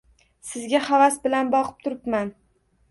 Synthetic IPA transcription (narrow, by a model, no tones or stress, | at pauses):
sɪzɡʲaχavasbɪlanbɒqʰɨ̥p̚t̪ʰʊɾɪpman